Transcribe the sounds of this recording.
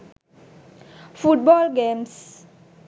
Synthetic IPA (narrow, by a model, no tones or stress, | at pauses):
fuʈ̚bɔlɡẽms